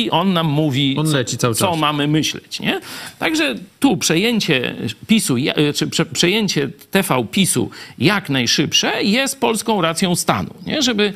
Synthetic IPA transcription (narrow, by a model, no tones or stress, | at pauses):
iʔɔnːamːuvʲinlɛt͡ɕisaw̪sɔmamɘmɘɕlɛ̰t͡ɕɲɛt̪aɡʐɛt̪upʂɛjeɲt͡ɕɛ̰pʲisuja̰ɘpʂɛpʂɛjeɲt͡ɕɛt̪ɛfawpʲisṵjaknajʂɘpʂɛjɛst̪̚pɔlskɔ̃w̃ɾat̪sʲjɔ̃w̃st̪a̰nṵɲɛ̰ʐɛbɘ